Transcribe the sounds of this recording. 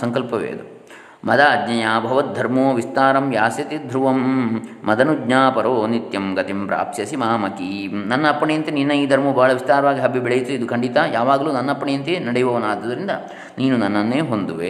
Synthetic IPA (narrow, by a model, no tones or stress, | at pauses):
sɐŋkɐlpɐʋḛːd̪u | mɐd̪aɐdɲɐjaːbʱɐʋɐt̪̚d̪ʱɐɾmoːʋist̪aːɾɐmjaːsjɐt̪id̪ʱɾuʋɐmːɐd̪ɐnuɡɲaːpɐɾoːnit̪jɐmɡɐt̪impɾa̰ːpjɐsimaːmɐki | nɐnːɐːpːɐɳejɐnt̪ininːɐiːd̪ʱɐɾmɐbʱaːɭɐʋist̪aːɾɐʋaːɡiɦɐbʱːibɛɭɐjit̪ːuid̪ukɐɳɖit̪aːjaːʋaːɡɐluːnɐnːɐɐpːɐɳɛjɐnt̪enɐɽɛjɐʋɐʋɐnaːd̪ɐd̪ɐɾind̪ɐ̰ | niːnunɐnːɐnːeːɦond̪uʋḛ